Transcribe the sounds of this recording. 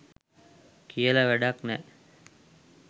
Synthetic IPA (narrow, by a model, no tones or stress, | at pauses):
kijəlɐʋæɖaknɛ̰